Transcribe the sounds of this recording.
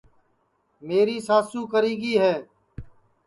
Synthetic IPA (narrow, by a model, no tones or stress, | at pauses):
meːɾiːsaːsũːkəɾiːɡiːɦɛː